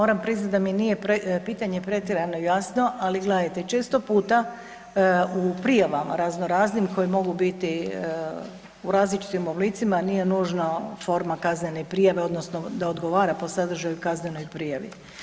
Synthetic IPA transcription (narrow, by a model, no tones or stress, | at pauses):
moɾampɾiznat̪̚ʲd̪aminijepɾpiːt̪aɲe̞pɾe̞t̪iɾanojasno̞ʔaliɡled̪at̪et͡ʃeːst̪o̞puːt̪a | upɾijaʋama̰ɾaznoɾaːznimko̞jimo̞ɡubit̪i | uɾaːzlit͡ʃi̥t̪imoblit̪simanije̞nuːʒnafo̞ɾmakazne̞nepɾijaʋe̞o̞d̪no̞sno̞d̪aod̪ɡo̞ʋaːɾapo̞sad̪r̩ʒajukazne̞no̞jpɾijaʋḭ